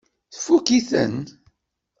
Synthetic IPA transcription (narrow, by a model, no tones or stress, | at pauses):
θfːukiθə̰n